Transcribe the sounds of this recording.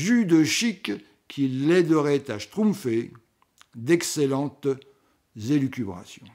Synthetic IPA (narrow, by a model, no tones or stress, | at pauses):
ʒyd̪əʃikːʰ | ilːɛd̪əʁɛt̪aʃt̪χũmfe | d̪ɛkselɑ̃t̪ | zelykʲybʁa̰sjɔ̰̃